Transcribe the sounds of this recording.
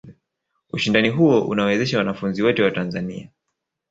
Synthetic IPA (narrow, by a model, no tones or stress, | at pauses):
uʃindaniɦuɔʔṵnawɛzɛʃawanafunziwɔtɛwatanzanḭa